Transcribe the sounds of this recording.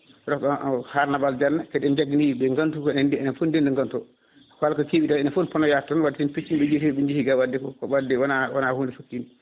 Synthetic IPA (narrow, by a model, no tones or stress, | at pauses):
ɾɔkɔhaɾnabald͡ʒanːakɛɗɛnd͡ʒaɡiniɓɛŋɡantukɔɛnɛndɛɛnɛnfondɛndɛŋɡantɔ | kalkɔkeɓitanɛnɛfonpɔnɔjatːɔnwadɛtinpit͡ʃːimɓɛd͡ʒetiɓɛɲd͡ʒihiɡawadːɛkɔkɔɓadɛwanawanahondɛfokːin